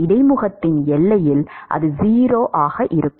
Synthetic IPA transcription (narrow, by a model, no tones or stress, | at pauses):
ɪɽɐɪmʊɣɐt̪ːɪnɛɭːɐjɪlʔɐ̰ðɯziːɾoːʔaːɣɐʔɪɾɯkː